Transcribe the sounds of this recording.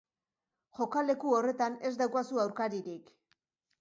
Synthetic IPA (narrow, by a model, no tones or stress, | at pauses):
ʝo̞kale̞kuore̞t̪ane̞zd̪awkasuawɾkaɾiɾik